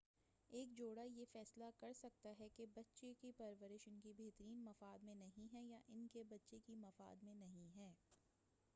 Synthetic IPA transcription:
eːk̚d͡ʒoːɽajefɛːslakɐɾsɐk̚t̪aɦɛkebɐtːʃekepɐɾʋəɾɪʃɪnkibeːɦt̪əɾiːnmɐfaːd̪mẽnɐɦĩɦɛjaʔɪnkebɐtːʃekimɐfa̰ːd̪mẽnɐɦĩɦɛː

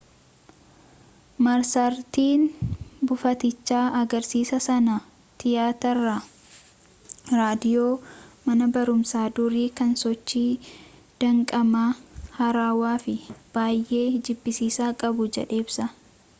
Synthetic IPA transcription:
mɐɾsɐɾt̪iːnbʊfɐt̪ɪt͡ʃːaːʔɐɡɐɾsiːsɐsɐnɐ | t̪ɪjaːt̪ɐɾɐ | ɾaːd̪ɪjoːmɐnɐbɐɾʊmsaːd̪ʊɾiːkɐnsɔt͡ʃːiː | d̪̥ɐŋkʼɐmaːhɐɾaːwaːfɪb̥aːjʔe̞ːd͡ʒɪbːɪsiːsaːkʼɐbʊd͡ʒɛ̰ᶑe̞ːbsɐ

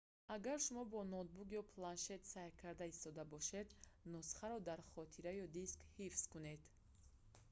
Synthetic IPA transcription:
aɡaɾʃumɔbɔnɔt̪̚buɡjɔpʰlanʃe̞t̪sajkʰaɾd̪aist̪ɔd̪abɔʃe̞d̪nusχaɾɔd̪aɾχɔt̪ʰiɾajɔd̪iskhifskune̞d̪

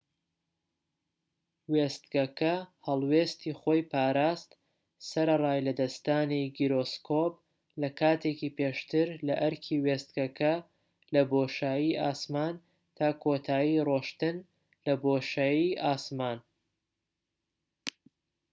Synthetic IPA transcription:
weːst̪̚ɡɐkɐhɐlˠweːst̪iːχoːjpaːɾaːst̪ | sɐɾɐrˤaːjlɐd̪ɐst̪aːniɡiɾoːskʰop̚ | lɐkʰaːt̪ʰekipeːʃt̪ɨɾlɐ̰ʔɐɾkʰiweːst̪̚ɡɐkʰɐ | lɐboːʃaːjiʔaːsmaːn | t̪ʰaːkʰoːt̪ʰaːjiroːʃt̪ɨn | lɐboːʃajiʔaːsmaːn

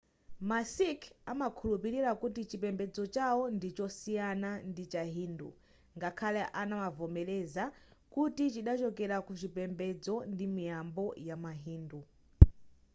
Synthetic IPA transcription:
masikʰamakʰulupiɾiɾakutit͡ʃipɛmbɛd͡zɔt͡ʃawɔndit͡ʃɔsijanandit͡ʃaɦiːndṵ | ŋɡakʰalɛʔanamavɔmɛlɛzakutit͡ʃiɗat͡ʃɔkɛɾakut͡ʃipɛmbɛd͡zɔndimijambɔjamaɦiːndu

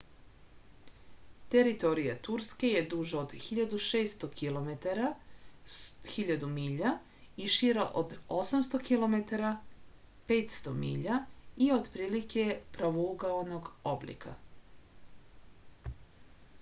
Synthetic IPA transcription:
t̪eɾit̪o̞ɾijat̪uɾske̞je̞d̪uʒood̪xiʎad̪uʃeːst̪okʰilo̞met̪aɾa | xiʎad̪umiʎa | iʃiɾaʔod̪o̞samst̪o̞kilˠo̞me̞t̪aɾa | pe̞ːt̪st̪o̞mḭːʎaio̞d̪pɾiːlike̞pɾaʋouɡaono̞ɡo̞blḭkʰa̰

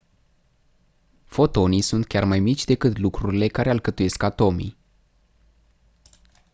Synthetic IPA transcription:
fo̞t̪o̞nijsunt̪̚kʲarmajmit͡ʃʲd̪e̞kɨt̪lukɾuɾile̞kaɾe̞alkət̪uje̞skat̪o̞mḭ

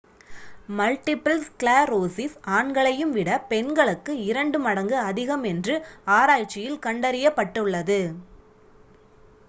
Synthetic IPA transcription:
mɐlʈɪpɐlskɭaːɾoːsɪsaːɳɡɐɭɐjɯmʋɪɽɐpɛnɡɐɭɯkːɯɪɾɐɳɖɯmɐɽɐŋɡɯɐðɪɣɐmɛndrɯaːɾaːjt͡ʃːɪjɪlkɐɳɖɐɾɪjɐpːɐʈːɯɭːɐðɯ

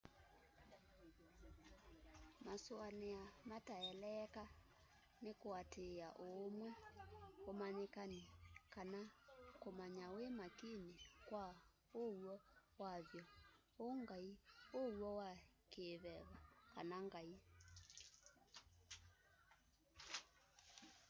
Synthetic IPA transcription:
maswaneamataɛlɛka | nekoatʰeaʔomwɛomanekanikanakomaɲawemakinekwa | owɔwaβjɔ | oŋɡaiowɔwa | keːβɛβakanaŋɡai

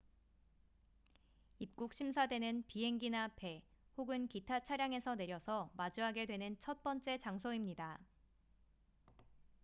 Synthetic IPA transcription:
ip̚k͈uk̚ɕʰims̬ʰadwe̞nɯnpiɦe̞ŋɡinape̞ | hoɡɯnkitʰat͡ɕʰaɾjaŋe̞sʰʌne̞ɾjʌsʰʌmad͡ʑuɦaɡe̞dwe̞nɯnt͡ɕʰʌt̚p͈ʌnt͡ɕ͈e̞t͡ɕaŋsʰoimɲida

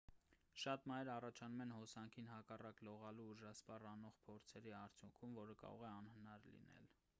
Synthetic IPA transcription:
ʃɑt̪mɑjɾɑrɑt͡ʃʰɑnumɛnhɔsɑŋkʰinɦɑkɑrɑklɔʁɑluuɾʒɑspɑrɑnɔʁpʰɔɾt͡sʰɛɾiɑɾt͡sʰjuŋkʰumvɔɾəkɑ̰ɾɔ̰ʁɛɑnhənɑɾlḭnɛ̰l

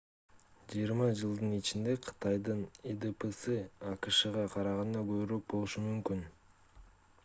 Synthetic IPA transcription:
d͡ʒijəɾmɑd͡ʒɯlˠd̪ɯnit͡ʃind̪e̞qʰɯ̥t̪ɑjd̪ɯned̪epesɯɑqɯʃɯʁɑqʰɑɾɑʁɑnd̪ɑɡøβɾyk̚bolˠuʃumymkyn

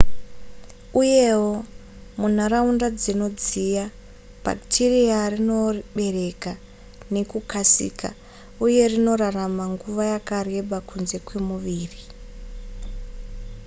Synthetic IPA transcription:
uje̞wo | mun̤aɾaundad͡zino̞d͡zija | b̥ʱa̰ktʰiriarino̞rɓe̞re̞ka | ne̞kukasḭːka̰ | uje̞rino̞raramaŋɡuʋajakare̞ɓakʰunze̞kwe̞muʋiːri

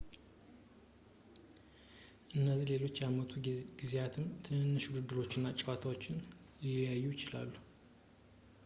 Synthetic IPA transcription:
ʔɨnːəzːihle̞lo̞t͡ʃːjamət̪ʰuɡ̥izejat̪ʰɨnt̪ʰɨɨnːɨʃud̪ɨd̪ːɨɾo̞t͡ʃːɪnːat͡ʃʼwat̪ʰawo̞t͡ʃːɪn | lijajːujɪt͡ʃɪla̰lːu

